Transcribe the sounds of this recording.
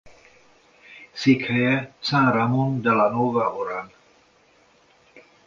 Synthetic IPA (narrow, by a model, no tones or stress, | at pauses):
sikʰɛjɛsãːɾamund̪alanovaʔoɾan